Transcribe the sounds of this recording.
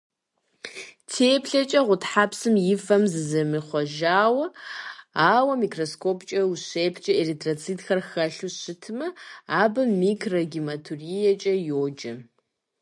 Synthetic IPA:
tʰeːpʰɬɐt͡ʃʼɐʁʷʊtħaːpʰsɨmjɪfɐmzɨzɐmiχʷɔʒaːwɐ | aːwɐmikʰroskʰopʰt͡ʃʼɐuɕeːpʰt͡ʃʼɐeritʰrot͡sʰiːtxɐrxɐɬuɕɨtʰɨmɐaːbɨmːikʰrɐɡimatʰurijɛt͡ʃʼɐjoːd͡ʒɐ

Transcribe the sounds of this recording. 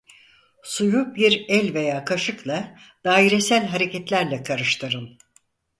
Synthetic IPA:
sujubiɾɛlʲve̞jaːkʰaʃɯklˠa | d̪̥aːiɾesælʲɦaɾe̞cɛt̪lʲæɾlʲɛkʰaɾɯʃt̪ʰɯɾɯn

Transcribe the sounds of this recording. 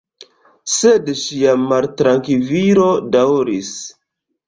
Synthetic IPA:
sedʃiamaltɾaŋkiviɾo̞dawɾis

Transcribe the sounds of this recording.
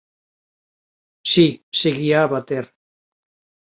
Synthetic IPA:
siseɣiaβat̪er

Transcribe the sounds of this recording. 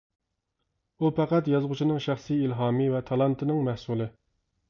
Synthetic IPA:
upʰæqæt̪jɑzʁʊt͡ʃʰinɨŋʃæχsiilɦɑːmɨvɛt̪ʰɑlˠɑnt̪ʰɨnɨŋmɛhsulˠɨ

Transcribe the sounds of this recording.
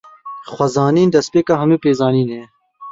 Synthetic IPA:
xwɐzɑːniːnd̪ɐspeːkaːɦɐnuːpeːzɑːniːneː

